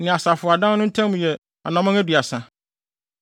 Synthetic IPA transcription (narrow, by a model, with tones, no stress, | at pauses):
nɪ̃˨a˨sa˨fʊ˨a˨dã˦nʊ̃˦tʰã˦mũ˨jɛ˨ | a̰˨nã˨mã˦æ˦dɥa˨sa˨